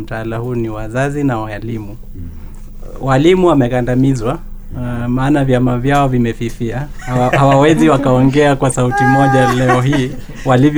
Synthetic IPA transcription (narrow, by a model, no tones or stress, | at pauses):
m̩taalahuːniwazazinawalimu | walimuwamɛkandamizwa | maːnavjamavjaɔvimɛfifiahhawawɛziwakaɔŋɡɛakwasautimɔʄalɛɔɦiː | walivj